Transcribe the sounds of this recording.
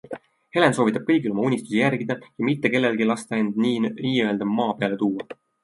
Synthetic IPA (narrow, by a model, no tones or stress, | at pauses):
he̞lensovit̪ːˑɑb̥̚kɤjɡilo̞mɑunʲist̪u̥sijæɾɡ̥id̪̥ɑjɑmit̪ːe̞ke̞lːelɡilɑst̪ɑe̞nd̪niiːø̞eld̪ɑmɑːpeɑle̞t̪uːwɑ